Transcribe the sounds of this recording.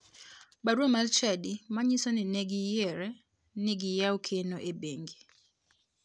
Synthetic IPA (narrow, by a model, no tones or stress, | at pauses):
baɾwomalt͡ʃɛdimaɲisonɪnɛɡɪjeɾɛ | nɪɡɪjawokʰenoʔebeŋɡi